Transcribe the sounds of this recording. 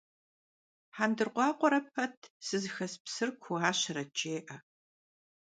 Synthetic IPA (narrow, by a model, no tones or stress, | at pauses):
ħaːndɨrqʷɑːqʷɔɾɐp̚ʰɐtʰsɨzɨxɐspsɨrkʷʰʊaːɕɐɾɐt͡ʃʼeːʔɐ